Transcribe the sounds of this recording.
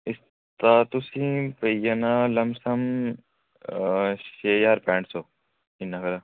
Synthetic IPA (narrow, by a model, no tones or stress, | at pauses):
ɪs | t̪aːt̪usĩpɐjɐnalɐmsɐm | ʃeːjaːɾpɛːɳʈsoː | inːɐkɐɾa